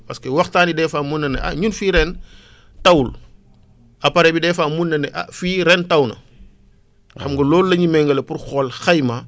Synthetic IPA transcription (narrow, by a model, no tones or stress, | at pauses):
pɐskewɐxtaːnidɛːfaːmunːɐnɛ̰ʔɐ̰ɲunfiːɾɛn | tɐwul | ɐpɐɾɛbidɛːfaːmunːɐnɛʔa̰fiːɾɛntɐwnɐ̰ | wxɐmɡolɔːlulɐɲimɛŋɡɐlɐpuɾxɔːlxajma